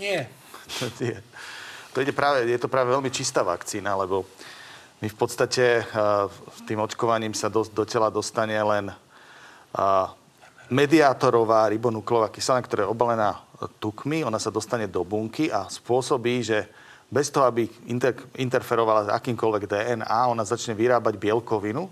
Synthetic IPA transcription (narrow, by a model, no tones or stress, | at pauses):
ɲɪɛ | t̪ʰɔɲɛt̪ɔiɟɛpɾaːʋɛjɛt̪ɔpɾaːʋɛʋɛlmit͡ʃist̪aːʋa̰kt͡siːnalɛbɔ | mifpɔt̪st̪acɛ | st̪iːmɔt͡ʃkɔʋaɲiːmsad̪ɔd̪ɔcɛlad̪ɔst̪aɲɛlɛn | mɛd̪iaːt̪ɔɾɔʋaːɾibɔnuklɔʋaːkisanakt̪ɔɾaːjɛɔbalɛnaːt̪ukmiɔnasad̪ɔst̪aɲɛd̪ɔbuŋkiaspʊɔsɔbiːʒɛ | bɛst̪ɔɦɔabiint̪ɛint̪ɛɾfɛɾɔʋalaa̰kiːmkɔlʋɛɡd̪ɛːʔɛnaːɔnazat͡ʃɲɛʋiɾaːbaɟbɪɛlkɔʋinu